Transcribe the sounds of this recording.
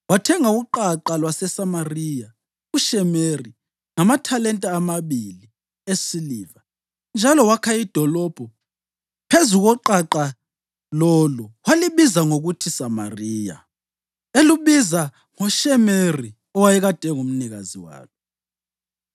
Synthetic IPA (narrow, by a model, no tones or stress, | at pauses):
watʰɛŋauǃaǃalwasɛsamarija | uʃɛmeri | ŋamatʰalɛntʼaːmaβili | esiliːva | nd͡ʒʱalɔwakʰaid̥ʱɔlɔb̥ʱɔ | pʰezuɣɔǃaǃa | lɔluwaliβizaŋoɣutʰisama̰riːja̰ | eluβiza | ŋɔʃɛmeri | ɔwajɛɣad̥ʱɛŋum̩niɣa̰zḭwa̰ːkʰɛ